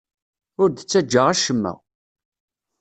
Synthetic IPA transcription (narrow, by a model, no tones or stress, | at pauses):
ʊɾd̪t͡sːæd͡ʒːəʁæʃəmːæ̰